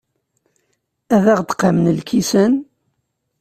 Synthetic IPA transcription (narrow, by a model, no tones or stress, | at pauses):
æðæʁd̪qamnəlkʰisən